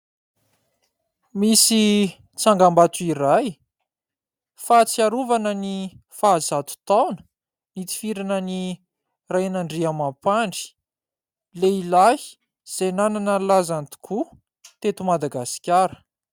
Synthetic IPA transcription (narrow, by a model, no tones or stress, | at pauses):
misi | t͡saŋɡambat̪uiɾaj | fat͡siaɾuvanənifaːzat̪u̥t̪awnə̥ | nit̪i̥fiɾanəni | rajnaɳɖ͡ʐiamapaɳɖ͡ʐi̥ | leilaɦi̥ | z̥enananəlazant̪u̥kʰu | t̪et̪umad̪aɡasi̥kʲaɾə̥